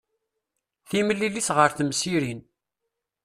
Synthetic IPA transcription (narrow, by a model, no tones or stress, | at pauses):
θiməlːilisʁəɾθəmsiɾin